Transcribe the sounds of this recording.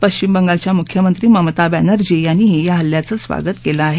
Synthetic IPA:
pəɕt͡ɕimbəŋɡalt͡ɕjamukʰjəmənt̪ɾiːməmt̪abænəɾd͡ʑejanːiːɦejaɦəlːjat͡səːsʋa̰ɡət̪keləaɦe

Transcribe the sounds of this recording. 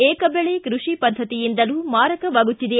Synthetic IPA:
eːkɐbɛɭekɾuʂipɐd̪ʱːɐt̪ijind̪ɐlumaːɾɐkɐʋaːɡut̪ːid̪e

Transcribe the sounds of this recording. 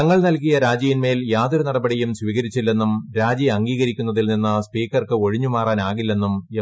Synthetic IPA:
ɐŋːɐɭnɐlkijɐɾaːd͡ʑijinme̞ːljaːd̪uɾunɐɽɐbɐɽijumsʋiːɣɐɾit͡ɕːilːe̞nːumɾaːd͡ʑiɐŋɡiːɣɐɾikʲːunːɐðilninːɐspiːkːɐrkɨo̞ɻiɲːumaːraːnaːɣilːe̞nːume

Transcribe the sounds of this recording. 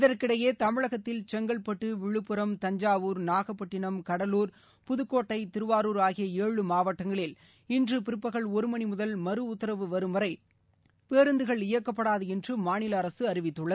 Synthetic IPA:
ɪðɐrkɪɽɐjeːt̪ɐmɪɭɐɣɐt̪ːɪlt͡ʃɛŋɡɐɭpɐʈːɯʋɪɻɯpːɯɾɐmt̪ɐɲd͡ʒaːʋuːɾnaːɣɐpːɐʈːɪɳɐmkɐɽɐluːɾ | pʊðɯkːoːʈːɐɪt̪ɪɾɯʋaːɾuːɾaːɣɪjɐeːɻɯmaːʋɐʈːɐŋɡɐɭɪl | ɪndrɯpɪɾɯpːɐɣɐɭɔɾɯmɐɳimʊðɐlmɐɾɯʊt̪ːɐɾɐʋɯʋɐɾɯmɐɾɐɪ | peːɾɯnd̪ɯɣɐɭɪjɐkːɐpːɐɽaːðɯɛndrɯmaːnɪlɐːɾɐsɯɐɾɪʋɪt̪ːɯɭːɐ

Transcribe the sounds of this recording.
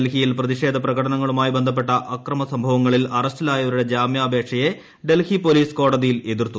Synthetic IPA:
lɦijilprɐðiʂe̞ːd̪ʱɐprɐɣɐɽɐnɐŋːɐɭumaːjibend̪ʱɐp̬ːe̞ʈːɐʔɐkrɐmɐsɐmbʱɐʋɐŋːɐɭilɐrɐstilaːjɐʋɐɾuɽe̞d͡ʑaːmjaːbʱeːkʂɐje̞ | ɖe̞lhipo̞liːsko̞ːɽɐðijile̞ðirt̪ːu

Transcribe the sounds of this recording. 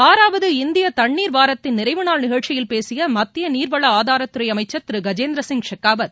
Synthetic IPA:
aːɾaːʋɐðɯɪnd̪ɪjɐt̪ɐɳːiːɾʋaːɾɐt̪ːɪnnɪɾɐɪʋɯnaːlnɪɣɐɻt͡ʃːɪjɪlpeːsɪjɐmɐt̪ːɪjɐniːɾʋɐɭɐaːðaːɾɐt̪ːɯɾɐɪjɐmɐɪt͡ʃːɐt̪ːɾɯɡɐd͡ʒeːnd̪ɾɐsɪŋɡʂɐkːaːbɐd̪

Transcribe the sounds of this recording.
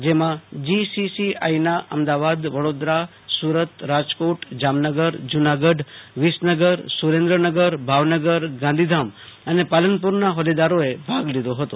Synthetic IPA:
d͡ʒemãd͡ʒisisia̰inaʔə̰md̪aʋad̪ʋəɽod̪ɾa | suɾət̪ɾad͡ʒkoʈd͡ʒamnəɡəɾd͡ʒunaɡəɖʋisnəɡəɾsuɾẽnd̪ɾənəɡəɾbʱaʋnəɡəɾɡãnd̪ʱid̪ʱamənepalənpuɾnaɦɔlid̪aɾoebʱaɡlid̪oɦət̪o

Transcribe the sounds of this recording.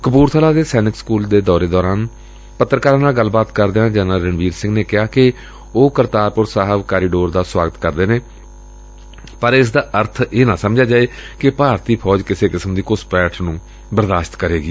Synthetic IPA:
kəpuːɾt̪ʰəlaːd̪eːsɛːnɪkskuːld̪eːd̪ɔːɾeːd̪ɔːɾaːn | pət̪ːɾəkaːɾaːnaːɡəlːbaːt̪kəɾd̪eːãːd͡ʒɛːnəlɾəɳʋiːɾsɪ̃ŋɡneːkɪaːkɪ | oːkəɾt̪aːɾpʊɾsaːɦəʋkaːɾiːɖoːɾd̪aːswaːɡət̪kəɾd̪eːneː | pəɾɪsd̪aːʔəɾt̪ʰeːnãːsəmd͡ʒaːd͡ʒaːeːkɪpaːɾt̪iːpʰɔːd͡ʒkɪseːkɪsəmd̪iːkʊspɛːʈʰnũː | bəɾd̪aːʃt̪kəɾeːɡiː

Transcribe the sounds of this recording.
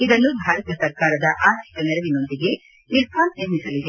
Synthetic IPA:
id̪ɐnːubʱaːɾɐt̪ɐsɐɾkaːɾɐd̪ɐʔaːɦɐʈ̪ːɐnɛɾɐʋino̞nd̪iɡe̞ | niɾkaːnniɾmisɐlid̪e

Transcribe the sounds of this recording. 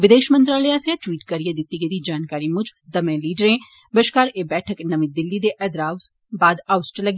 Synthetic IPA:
ʋɪd̪eːʃmə̃nt̪ɾaːlijaːsejaʈwiːʈkɐɾied̪ɪt̪ːiɡed̪id͡ʒaːnkaːɾimʊd͡ʒd̪ɐmẽːliːɖɾẽ | bəʃkaːɾeːbɛːʈʰəknɐʋĩd̪ɪlːid̪eʔɛd̪ɾaːʋ | baːd̪aːʊsʈɾelɐɡ

